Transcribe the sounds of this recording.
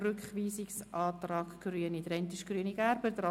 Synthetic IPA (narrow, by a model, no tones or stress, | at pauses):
rʏkχʋiːsiksʔɑːt̪rɑːkɡ̥ryənid̪ɾɛnt̪iʃɡ̥ɾyəniɡæɾbəd̪ɾɑ